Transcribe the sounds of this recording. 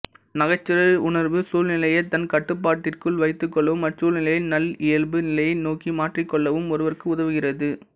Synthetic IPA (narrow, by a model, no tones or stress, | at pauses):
nɐɣɐt͡ʃːɪɾɐʊɳɐɾʋɯsuːlnɪlɐjɐt̪ːɐnkɐʈːɯp̬ːaːʈːɪrkɯɭʋɐɪt̪ːɯkːɔɭːɐʋɯmɐʈsuːlnɪlɐjɪlnɐlɪjɐlbɯnɪlɐjɪlnoːkimaːʈrikːɔɭːɐʋɯmɔɾɯʋɐɾɯkːɯʊðɐʋɯɣɪrɐðɯ